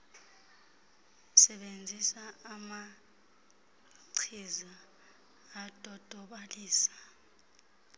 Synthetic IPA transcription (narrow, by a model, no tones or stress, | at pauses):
sɛɓend͡zʱisaːma | ǀʰizaː | d̥ʱɔd̥ʱɔɓaliːsḁ